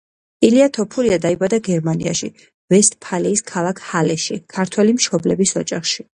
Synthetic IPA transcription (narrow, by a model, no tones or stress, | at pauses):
iliat̪ʰɔpʰuɾiad̪aibad̪aɡɛɾmanḭa̰ʃi | vɛst̪̚pʰaliːskʰalˠakʰhalɛʃikʰaɾt̪ʰwɛlimʃɔblɛbisɔd͡ʒaχʃi